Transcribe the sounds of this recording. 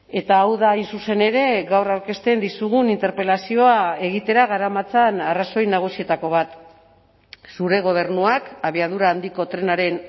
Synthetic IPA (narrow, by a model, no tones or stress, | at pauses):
e̞t̪aːwðainsuse̞ne̞ɾe̞ɣawrawɾke̞st̪e̞nd̪isuɣ̞unint̪e̞ɾpe̞lasio̞ae̞ɣ̞it̪e̞ɾaɣ̞aɾamat͡sanaraso̞jnaɣ̞usie̞t̪ako̞β̞at̪ | suɾe̞ɣ̞o̞β̞e̞ɾnuakaβiaðuɾaːnd̪iko̞t̪ɾe̞naɾe̞n